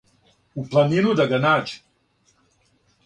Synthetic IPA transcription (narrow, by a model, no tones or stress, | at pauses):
uplˠaninud̪aɡanaːt͡ʃi̥